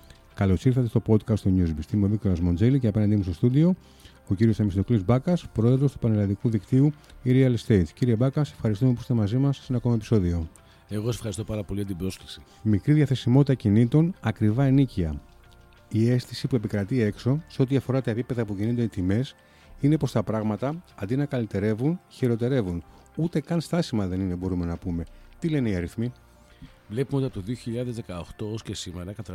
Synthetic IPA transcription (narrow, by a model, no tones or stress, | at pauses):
kɐlo̞siɾθɐt̪e̞st̪o̞po̞d̪kɐst̪oɲuzpist̪imuovikt̪olɐzmo̞nd͡zeliceɐpe̞nɐnd̪imusto̞st̪ud̪io̞ | ociɾiosemisinoklizbɐkɐspɾo̞e̞ðɾo̞st̪upɐnelɐnðikuðikt̪iuiɾiɐlst̪e̞jt̪ciɾie̞bɐkɐse̞̥fxɐɾist̪ume̞posit̪e̞mɐzimɐssenɐkomɐepiso̞ðio̞ | eɣossefxɐɾist̪o̞pɐɾɐpo̞liʝɐt̪ibɾo̞sklisi̥ | mikɾiðʝɐθe̞simo̞t̪it̪ɐcinit̪o̞nɐkɾivɐeniciɐ | ie̞sθisipue̞pikɾɐt̪ie̞kso̞seo̞t̪iɐfo̞ɾɐt̪ɐepipe̞ðɐipo̞cinund̪o̞nit̪ime̞s | ine̞po̞st̪ɐpɾɐɣmɐt̪ɐːnd̪inɐkɐlit̪e̞ɾe̞vunçiɾo̞t̪e̞ɾe̞vun | ut̪e̞kɐnst̪ɐsimɐðe̞nine̞bo̞ɾume̞nɐpume̞t̪ile̞neiɐɾiθmi | vle̞pumeot̪ɐpot̪oðio̞çiʎɐðe̞zðekɐoxt̪o̞oscesimeɾɐkɐt̪ɐ